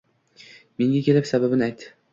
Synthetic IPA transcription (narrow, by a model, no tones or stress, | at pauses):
me̞ŋɡʲakʲʰe̞lɪpsababɪnajt̪ːɪ